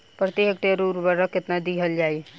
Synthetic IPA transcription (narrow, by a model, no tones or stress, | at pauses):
pɾət̪iɦekʈeɾuɾbəɾəkɪt̪nad̪iɦəld͡ʒaːj